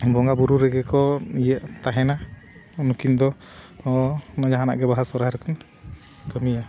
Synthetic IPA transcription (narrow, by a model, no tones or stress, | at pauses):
bɔŋɡabuɾuɾɛɡɛkɔijəʔt̪aɦɛna | nukind̪ɔ | nad͡ʒaɦana̰ʔɡɛbaɦasɔɾajɾɛkɔn | kəmija